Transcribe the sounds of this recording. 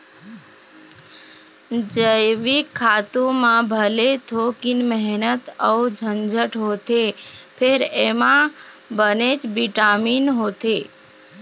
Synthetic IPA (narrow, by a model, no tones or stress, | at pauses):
d͡ʒəjʋikʰːaːt̪ũmãbʱəlet̪ʰokɪnmɛɦnət̪əud͡ʒʱənd͡ʒʱəʈɦoːt̪epʰeɾemã | bənet͡ʃbiʈaːmiːnɦoːt̪e